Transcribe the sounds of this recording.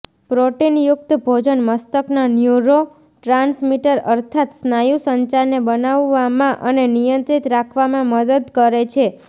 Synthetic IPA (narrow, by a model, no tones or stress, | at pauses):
pɾoʈinjʊk̚t̪bʱod͡ʒənməst̪əknanjuɾo | ʈɾãnsmiʈəɾəɾt̪ʰat̪snajusəɲt͡ʃaɾnebənaʋːamãʔənenijənt̪ɾit̪ɾakʰʋamãməd̪əd̪kəɾet͡ʃʰe